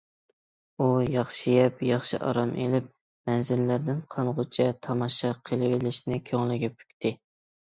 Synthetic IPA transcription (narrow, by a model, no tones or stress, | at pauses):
ujɑχʃijɛpjɑχʃɨ̰ʔɑ̰ɾɑmʔelɪp̚ | mɛnzɪlːæɾd̪ɪnqʰɑnʁʊt͡ʃʰɛt̪ʰɑmɑʃɑqʰəlˠɪvɪlɪʃnɪkʲʰøŋlɪɡʲɛpʰy̥k̚ʲt̪ʰɪ